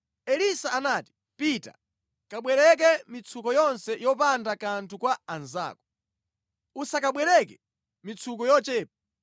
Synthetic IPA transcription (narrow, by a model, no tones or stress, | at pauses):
ɛlisaːnaːti̥ | pita̰ | kaɓwɛɾɛk̬ɛmit͡sʰukɔjɔnsɛjɔpandakantʰukwaanza̰ːkɔ̥ | usakaɓwɛɾɛkɛ | mit͡sʰukɔjɔt͡ʃɛːp̚ḁ